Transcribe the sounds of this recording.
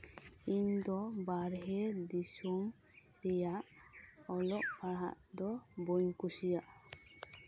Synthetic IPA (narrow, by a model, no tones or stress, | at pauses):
iɲd̪ɔbaɾɦɛd̪isum | t̪ɛjaʔ | ɔlɔʔ̚paɽɦa̰ʔ | d̪ɔboɲkusijaʔ